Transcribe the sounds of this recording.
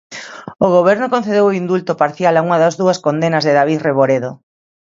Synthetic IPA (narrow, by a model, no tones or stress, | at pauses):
oɣoβɛɾnʊkonθeðewoind̪ult̪ʊpaɾθjalauŋɐðɐzðuɐskond̪enɐzðeðaβiθreβoɾeðo